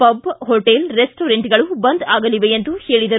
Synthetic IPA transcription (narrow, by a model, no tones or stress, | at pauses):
pɐbɦoʈelɾesʈoːɾeɳʈɡɐɭubɐnd̪aːɡɐliʋeent̪uheːɭid̪ɐɾu